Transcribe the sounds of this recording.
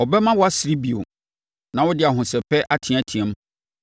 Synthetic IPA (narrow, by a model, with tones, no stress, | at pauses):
ɔ˨bɛ˦mã˦wɔ˦a˦sɾi˦bi˨o̰˨ | nã˨wɔ˦dɪ˦a˨ɦʊ̃˨sɛ˨pʰɛ˦ʔa˦tʰɪ̃˨˦a˦tʰĩ˨ɛ̃˨˦m˦